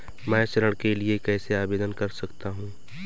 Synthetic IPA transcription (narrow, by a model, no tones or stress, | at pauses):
mɛ̃ːt͡ʃɐɾəɽ̃keliekɛːseaːbeːd̪ənkɐɾsɐkt̪aɦũː